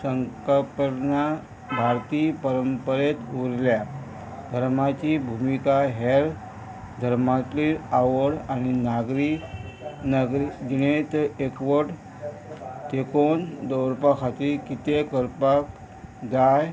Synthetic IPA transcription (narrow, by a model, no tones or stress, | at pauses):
səŋkəpəɾna | bʱaɾt̪iːpəɾəmpəɾet̪uɾlja | d̪ʱəɾmat͡ɕibʱumikaɦeɾ | d̪ʱəɾmat̪liaʋəɽañinaɡɾi | nəɡɾid͡ʑinet̪ekʋəɽ | t̪ekond̪əwɾpakʰat̪iːɾkit̪ekəɾpak | d͡zaj